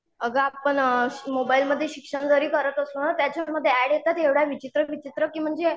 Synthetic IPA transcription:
əɡəapəɳmobailməd̪ʱːjeɕikʂəɳd͡zəɾiːkəɾət̪əsunat̪jat͡ɕaməd̪ʱːjeæɽjet̪at̪ɦeʋɽaʋit͡ɕit̪ɾəʋit͡ɕit̪ɾəkiːm̤əɳd͡ze

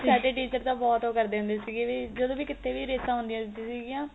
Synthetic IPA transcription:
ssaːɖeːʈiːt͡ʃəɾd̪aːbɔːt̪ɦoːkəɾd̪eːɦʊ̃nd̪eːsiːɡeːʋiːd͡ʒəd̪õːʋiːkɪt̪ʰːeːʋiːɾeːsãːɦʊ̃nd̪ĩjãsiːɡijãː

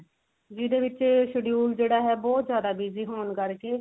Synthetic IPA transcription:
d͡ʒiːd̪eːʋɪt͡ʃʃəɖijuːld͡ʒeːɽaːɦɛːbɔːt̪zjaːd̪aːbiːziːɦoːnkəɾkeː

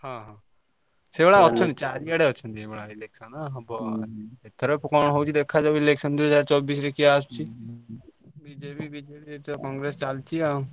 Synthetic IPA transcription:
hãːɦãː | sebəɽaːɔtːʃʰə̃nd̪it͡ʃaːɾiɛɽeotːʃʰə̃nd̪ibəɽaːɪleːkʃənabəet̪ʰːəɾəpʊkaːɳ̃ɦoːut͡ʃid̪eːkʰːaːd͡ʒauɪleːkʃənd̪ʊɦəzaːɾt͡ʃɔːbiːsɾekiaːst͡ʃʰiː | biːd͡ʒeːpiːbiːd͡ʒeːit̪okɔ̃ːŋɡɾeːst͡ʃalt͡ʃiaː

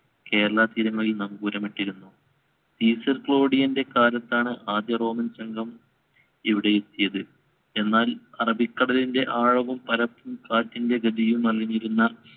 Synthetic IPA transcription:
ke̞ːɾɐɭɐt̪iɾuŋːɐɭilnɐmɡuːɾɐmɐʈːiɾunːu | siːsɐrkɭo̞ːɽijɐnde̞kaːlɐt̪ːaːɳɨʔaːd̪jɐro̞ːmɐnsɐŋɡʱɐm | iʋiɽe̞jet̪ːijɐðɨ | e̞nːaːlɐrɐbʱikːɐɽɐlinde̞ʔaːɻɐʋumpɐɾɐpːumkaːtːinde̞ɡɐd̪ijumɐlːiniɾunːɐ

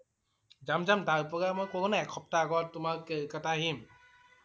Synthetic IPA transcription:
d͡ʒamd͡ʒamtaɾpɔɡamɔjkɔɡɔnaɛkʰɔp̚taɡɔtumakekataɦim

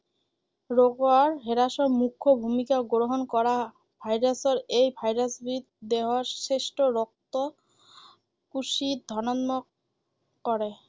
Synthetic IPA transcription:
ɾoɡoaɾɦeɾaʃoɾmukʰːobʱumikaɡoɾoɦonkɔɾa | bʱajɾasoɾejbʱajɾasbʱit̪̚d̪eɦoɾseʃʈoɾɔk̚t̪o | kuʃid̪ʱɔnanmo | kɔɾe

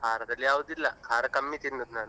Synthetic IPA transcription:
bʱaːɾɐt̪ɐlijaːʋud̪ilːɐkʰaːɾɐkɐmːit̪inːut̪naːɳɨ

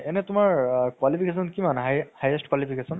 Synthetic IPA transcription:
ɛnɛtʊmaɹkwalipʰikesɔnkimanɦajhajesʈkwalipʰikesɔn

